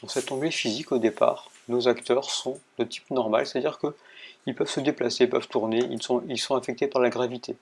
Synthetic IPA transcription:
d̪̥ɑ̃sɛt̪ɑ̃ɡlefizikod̪epa̰ːʁ | nozakt̪œʁsɔ̃d̪̥ət̪i̥pnɔʁma̰lse̥t̪ad̪iʁkəilpœvsəd̪eplaseilpœv̥t̪uʁneḭlsɔ̃ilsɔ̃afɛk̚t̪epaʁlaɡʁavit̪ʰe

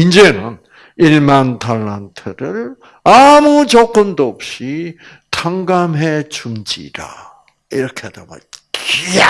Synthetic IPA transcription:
ind͡ʑe̞nɯn | iɭmantʰaɭːantʰɯɾɯɾ | amut͡ɕʌk͈ɯmdoop̚ɕ͈i | tʰaŋɡamɦe̞t͡ɕumd͡ʑḭda̰ | iɾʌkʰeadama̰kia

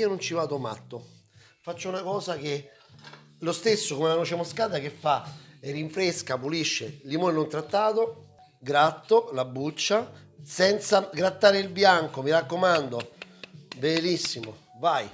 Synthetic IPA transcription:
iːonont͡ʃivaːd̪oma̰t̪ːo | fat͡ʃːounakɔːsake | lost̪esːokomelanot͡ʃemoskaːd̪ak̟efːaerːiɱfɾeskapuliʃːelimonenont̪ɾat̪ːaːt̪o | ɡɾat̪ːolabːut͡ʃːa | sɛnt̪saɡɾat̪ːaːɾeilbjaŋkomiɾakːomand̪o | belisːimo | vaj

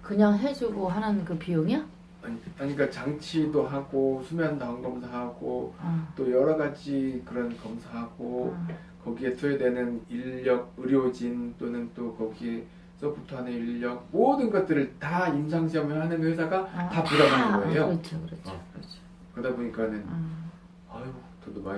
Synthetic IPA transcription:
kɯɲaŋɦed͡ʑuɡoɦananɯnkɯpijoŋa | aɲiaɲik͈at͡ɕaŋt͡ɕʰidoɦaɡosʰumeɦandaʌnɡʌmsʰaɦaɡot͈ojʌɾʌɡad͡ʑikɯɾʌnkʌmsʰaɦaɡ̥o | kʌɡie̞tʰoedwe̞nɯniʎːʌɡ̚ɯɾjod͡ʑint͈onɯnt͈okʌɡie̞ | s͈ʌputʰoaneiʎːʌk̚modɯnɡʌt̚t͈ɯɾɯɭtaimsʰaŋɕʰiʌmɦanɯnɸwe̞sʰaɡatapuɾabanɯnɡʌejot͡ɕʰokɾʌʌot͡ɕʰ | kɯdaboɲik͈anɯn | ajotʌdoma

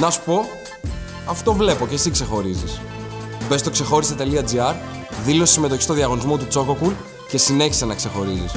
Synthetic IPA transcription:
nɐsu̥po̞ | ɐft̪ovle̞po̞ce̞sikse̞xo̞ɾizis | be̞st̪o̞kse̞xo̞ɾiset̪e̞liɐd͡ziɐɾ | ðilo̞si̥sime̞t̪o̞çi̥st̪oðiɐɣo̞nizmo̞t̪ut͡so̞ko̞kul | ce̞sine̞çi̥senɐkse̞xo̞ɾizis

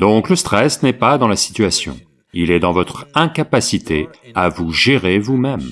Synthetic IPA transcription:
d̪ɔ̃kləst̪χɛsnɛpad̪ɑ̃lasi̥t̪ɥasjɔ̰̃ | ilɛd̪ɑ̃vɔt̪χɛ̃kapasit̪eavuʒeʁevumɛm

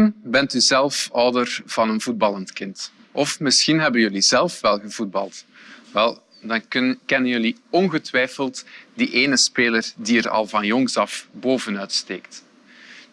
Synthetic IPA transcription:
nbɛntyzɛlˠfɔwdərv̥ɑnənvud̚bɑlˠəntkɪnt | ɔfmɪsxinɦɛbənjɵlizɛlˠfʋɛlˠɣəvud̚bɑ̰lˠtʋɛlˠ | dɑnkɛnənjøli | ɔnɣətʋɛjfəlˠtdiʔeːnəspeːlərdiəɾɑ̰lˠvɑnjɔŋsɑfboːvənœːtsteːkt

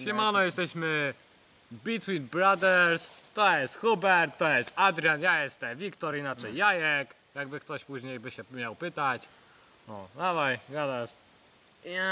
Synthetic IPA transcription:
ɕɛmanɔjɛst̪ɛɕmɘ | bʲit̪winbɾad̪ɛɾst̪ɔjɛst̪xubɛɾt̪ːɔjɛst̪ad̪ɾʲjanjajɛst̪ɛvʲikt̪ɔɾinat͡ʂɛjːajɛk | jaɡbɘkt̪ɔɕpuʑɲejbɘɕɛmʲjawpɘt̪at͡ɕ | ɔd̪avajɡad̪aʂ

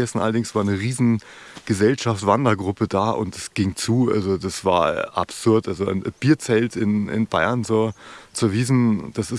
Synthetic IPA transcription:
ɛsn̩ʔa̰lɐdɪŋsv̥aːɐnəʁiːzn̩ | ɡ̥əzɛlʃaftv̥andɐɡʁʊpədaːʔʊ̰nt̚d̥asɡ̥ɪŋt͡suːʔa̰lzodasv̥a̰ːɐʔa̰pz̥ʊɐtʔalzoa̰ɪnb̥iːɐt͡sɛltɪnɪ̰nb̥aɪɐnzoːt͡suɐviːzn̩d̥asɪs

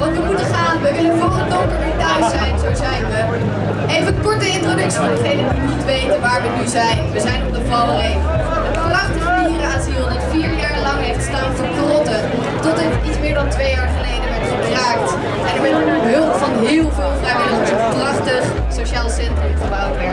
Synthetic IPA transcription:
ʋɑntʋəmutəχaːnʋəʋɪlənvɔlədɔŋkəmɪdaɥsɛjnzowzɛjnʋə | ejvənkɔɹtəɪntrowdɵksivɑndəχejnədiənitʋejtənʋaːɹʋənyzɛjnʋəzɛjnɔdəvɔllejvəadəprɑχtəχədiːrəazilˠditfiːɹjaːɹlɑŋɦejftəstaːnvʊːɹkrɔtə | tɔtɛtitsmɪːɹdɑntʋejaːɹχəlejdəʋɛɹtχəraːkt | ʔɛnəɹmɛnɦɵlˠtfɑnɦɪːlˠvɪːlˠvrajʋɪləzəprɑχtəχ | soʃaːlˠsɛntrɵmχəbawtɛ

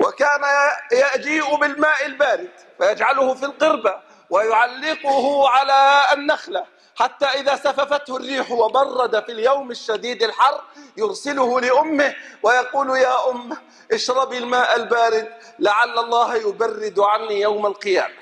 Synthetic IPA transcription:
wakaːnajad͡ʒiːʔʊbɪlmaːʔɪlbaːɾɪd̪ | fajad͡ʒʕalʊhʊfilqɨɾba | wajʊʕalːɪqʊhʊʕalaːnːaxla | ħat̪ːaːʔɪðasafafat̪hʊrːiːħwabɑrˤːɑd̪afiljawmaʃːad̪iːd̪ɪlħɑrˤjʊɾsɪlʊhʊlɪʔʊmːɪhwajɑquːljaːʔʊmː | ʔɪʃɾˤɑbilmaːʔalbaːɾɪd̪̚ | laʕalːɑlˤːɑːhjʊbarːɪd̪ʕanːiːjawmalqɨja̰ːma

